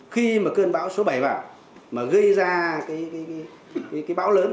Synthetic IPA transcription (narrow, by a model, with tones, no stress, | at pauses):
xi˧maː˨˩kəː˧nɓaː˨˧˥wso˨˦ɓa˧˩jvaː˨˩ | maː˨˩ɣə˧jzaː˧kaː˨˦jkaː˨˦jkaː˨˦j | kaː˨˦jkaː˨˦jɓa̰ː˧˥wləː˨˦n